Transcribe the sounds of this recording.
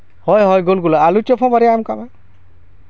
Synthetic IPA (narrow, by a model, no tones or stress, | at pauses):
hɔjɦɔjɡolɡulaalut͡ʃɔpʰɔ̃baɾiamkama